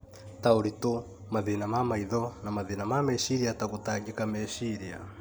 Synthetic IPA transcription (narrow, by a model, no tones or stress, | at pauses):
taoɾito | maðinamamaiðɔnamaðinamamɛʃiɾiatakotaɡikamɛʃiɾia̰